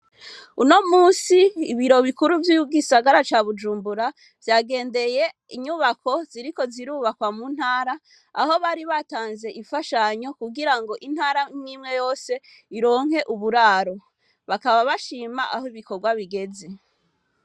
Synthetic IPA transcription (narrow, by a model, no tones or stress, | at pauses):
uno̞muːsiːβiɾo̞βikuɾuvjuɡisaɡaɾat͡ʃaβud͡ʒuːmbuɾa | vjaːɡe̞ːnde̞je̞ | iɲuβakʰo̞ziɾiko̞ziɾuːβakwamun̥haːɾaː | ho̞βaːɾiβataːnze̞ʔifaʃaɲo̞kuɡiɾaŋɡo̞ʔin̥haːɾamŋiːmŋe̞jo̞ːse̞ | iɾo̞ːŋ̥he̞ʔuβuɾaːɾo̞ | βakaβaβaʃiːmaʔahoiβiko̞ɾɡwaβiɡe̞ze